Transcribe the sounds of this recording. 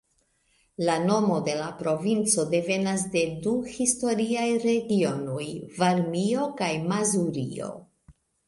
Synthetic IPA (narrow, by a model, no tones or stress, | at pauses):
lano̞mo̞de̞lapɾo̞vint͡so̞de̞ve̞nas̬de̞duhisto̞ɾiajɾe̞ɡio̞nojvaɾmio̞kajmazuɾḭo̞̰